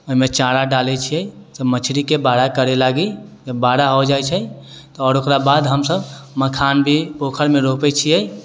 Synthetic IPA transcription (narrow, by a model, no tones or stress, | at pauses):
oɦimet͡ʃaɽaɖalɛt͡ʃʰiɛsəbmət͡ʃʰɾikebaɽakəɾelaɡid͡ʒəbːaɽaɦod͡ʒajt͡ʃʰɛ | t̪ɔɔːɾokɾabad̪ɦəmsəbməkʰanbʱipokʰəɾmẽɾopɛt͡ʃʰiɛ